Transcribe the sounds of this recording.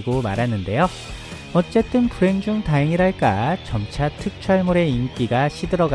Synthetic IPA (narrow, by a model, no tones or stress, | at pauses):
ɡomaɾɦanːɯnde̞jo | ʌt͡ɕ͈e̞t͈ɯnkuɾe̞ŋd͡ʑuŋtaɦeŋiɾaɭk͈at͡ɕʌmt͡ɕʰatʰɯk̚t͡ɕʰʌɭmoɾe̞imk͈iɡaɕʰidɯɾʌɡ